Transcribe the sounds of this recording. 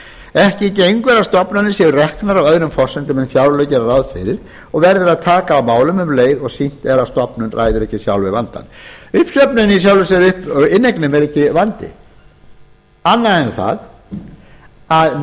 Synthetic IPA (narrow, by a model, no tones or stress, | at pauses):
ɛhcɪcejŋkvɛɾast̪ɔpnʏnːɪsjɛvʏrɛhknaɾawœðɾʏmfɔr̥sɛnt̪ɪmɛnθjawɾlœɥcɛɾaɾawðfɪɾɪɾ̥ | ɔɣvɛɾðɪɾaðt̪ʰaːkaːwmaːwlʏmʏmleːjðɔɣsin̥t̪ɛɾast̪ɔpnʏnrʔa̰ːjðʏɾɛhcɪsjawlvɪva̰nt̪a̰nʏhpsœpnʏnis̬jawlvʏsɛɾʏhpɪnːeknɪmɛɾɛhcɪvant̪ɪ̰ | anːaɛnθa̰ð | að